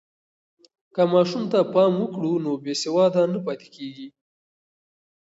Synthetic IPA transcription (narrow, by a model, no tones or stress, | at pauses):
kəmɑʃumt̪apɑmwəkɽunobesɪwɑd̪anapɑt̪e̥keɡi